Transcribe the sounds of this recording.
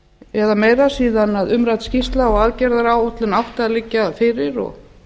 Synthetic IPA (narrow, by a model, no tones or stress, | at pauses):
ɛðamejɾasiːðanaðʏmɾajt̪scist̪laɔɣaːðcɛɾðaɾawoht̪lʏnawht̪ɪaðlɪcːafɪɾɪɾɔ̰ɣ